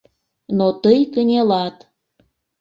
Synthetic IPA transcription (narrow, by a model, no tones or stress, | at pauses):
not̪əjkənʲelɑt̪